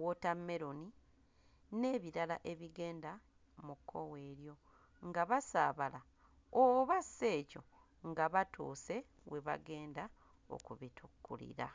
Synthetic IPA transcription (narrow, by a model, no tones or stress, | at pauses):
wotamːe̞ɾoni | ne̞ːβiɾalaʔe̞βiɡe̞ːnda | mukʰːo̞̰we̞ːɾjo̞ | ŋɡaβasaːβala | oβase̞ːco̞ | ŋɡaβatʰuːse̞ | we̞βa̰ɡe̞ːnda | o̞̰kuβitʰukːṵlḭɾa̰